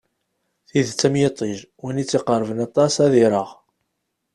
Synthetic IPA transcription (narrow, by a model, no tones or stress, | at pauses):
θiðt͡sːæmjet̪ˤːiʒwænit͡sːiqəɾˤvənɑt̪ˤɑsæðiɾˤəʁ